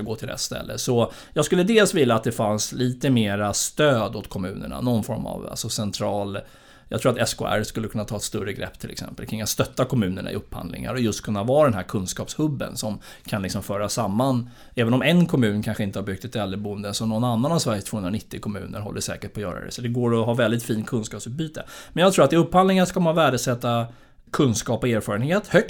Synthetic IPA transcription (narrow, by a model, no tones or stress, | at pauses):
aɡoːʈʰɪld̪ɛ̰t̪ːst̪ɛ̰lːə̰sɔ | jɑːɡskɵlːəd̪eːlsvɪlːaːt̪̚d̪ɛfansliːt̪əmeːɾast̪øːd̪ɔt̪kʰɔmʉ̟ːnə̰ɳa̰nɔnfɔɾma̰va̰lsɔsɛnt̪ʰɾɑːl | jɑɡt̪ʰɾuːɾat̪ɛskʰo̰ːæ̰ɾskɵlːəkʰɵnːat̪ʰɑːɛt̪st̪ɵɾəɡɾɛ̰pːt̪ʰɪlɛ̰ksɛ̰mpəlkʰɾɪŋːat̪st̪œt̪ːakʰɔmʉ̟ːnəɳa̰ɪ̰ɵpːha̰nd̪lɪ̰ŋa̰ɾɔjɵst̪kʰɵnːavɑːɾd̪ɛnɦæːɾkʰɵnskɑːpshɵbːə̰nsɔm | kʰanlɪksɔmfœːɾasamːan | ɛːvənɔmɛnkʰɔmʉ̟ːnkʰanɧəɪnt̪əhaɾbʏk̚t̪ɛt̪ɛlːəbuənd̪əsɔnɔnːanːanavsvæɾjəst̪voːhɵnɾanɪt̪ːɪkʰɔmʉ̟ːnə̰ɾɦɔ̰lːəʂɛ̰ːkəʈ̚pʰɔjœ̰ːɾa̰ɾɛ̰sɔd̪ɛɡoːɾɔɦɑːvɛld̪ɪt̪fiːnkʰɵnskɑːpsʉːt̪̚byːt̪əmɛnjɑɡt̪ɾuːɾat̪ɪɵpːand̪lɪŋaʂɔkamanvæːɖəsɛt̪ːa | kʰɵnskɑːpɔeːɾfɑːɾənheːt̪hœk̪̚